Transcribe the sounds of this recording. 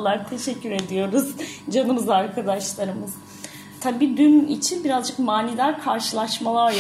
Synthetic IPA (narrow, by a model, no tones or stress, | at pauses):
lˠaɾt̪ʰe̞ʃɛcʰːyɾe̞d̪ijo̞ɾuz̥d͡ʒanɯmɯzaɾkʰad̪aʃlˠaɾɯmɯz̥ | t̪ʰabiːd̪ynḭt͡ʃʰinbiɾazd͡ʒɯkmaːnid̪æɾkʰaɾʃɯlˠaʃmalˠaɾ